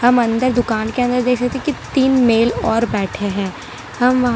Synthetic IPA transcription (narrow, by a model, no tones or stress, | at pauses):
hɐmɐ̃nd̪əɾd̪ʊkaːnkeɐ̃nd̪əɾd̪eːkʰsɐkt̪eẽkit̪iːnmeːlɔːɾbɛːʈʰeɦɛ̃ː | hɐmʋɐɦ